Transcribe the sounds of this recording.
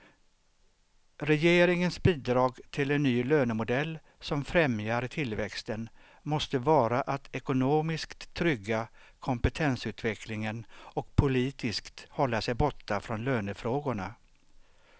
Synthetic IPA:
ɾɛjeːɾɪŋənsbiːd̪ɾɑːɡt̪ʰɪlɛnːyːløːnəmʊd̪ɛlː | sɔmfɾɛmjaɾt̪ʰɪlːvɛkst̪ən | mɔst̪əvɑːɾaʔat̪ʰɛkʊnoːmɪskt̪ʰːɾʏɡːa | kʰɔmpət̪ʰɛnsʉ̟ːt̪vɛkʰlɪŋənɔkpʰʊliːt̪ɪskt̪hɔlːasɛjbɔʈːafɾɔnløːnəfɾoːɡʊɳa

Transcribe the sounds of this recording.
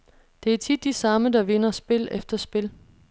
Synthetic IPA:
d̥e̝æɐt͡sʰid̥ːisɑ̈məd̥ɑ̈ʋe̝nɐsb̥e̝lefd̥ɐsb̥e̝l

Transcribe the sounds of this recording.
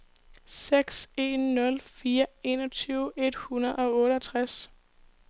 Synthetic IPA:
seɡ̥se̝nːɔ̽lfiːɐe̝nɒ̽t͡sʰyːʊʔe̝d̥hunɐðˠɒ̽ɔ̽ːɾəæt͡sʰʁas

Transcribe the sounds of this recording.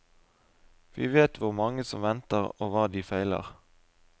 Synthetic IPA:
ʋḭːʋeːt̪ʋʊʁmɑŋəsɔmʋɛnt̪əʁoːʋɑːd̪iːfæɪlə̰ʁ

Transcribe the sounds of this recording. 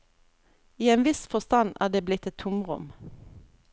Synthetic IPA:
iːeːnʋɪsfɔst̪ɑnæ̰ːd̪eːblɪt̪ɛt̪ʰʊmʁʊ̰m

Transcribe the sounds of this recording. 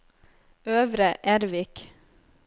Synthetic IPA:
øːʋɾəʔæɾʋɪk

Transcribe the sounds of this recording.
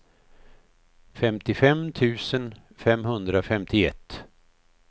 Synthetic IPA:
fɛmt̪ɪfɛmt̪ʰʉ̟ːsən | fɛmɦɵnd̪ɾafɛmt̪ʰɪɛ̰t̪ː

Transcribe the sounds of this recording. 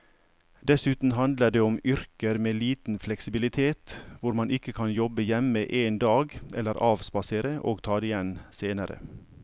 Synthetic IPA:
d̪ɛsʉːt̪n̩ɦɑnd̪ləɖeːɔmʏɾkəɾmeːliːt̪n̩flɛksɪbɪlɪt̪ʰeːt̪ʋʊɾmɑnʔɪkːəkʰɑnjɔbəjɛməʔeːnd̪ɑːɡɛlːəɾʔɑːʋspɑseːɾəʔo̰ːɡt̪ʰɑːd̪ɛɪjɛnseːnəɾə̰

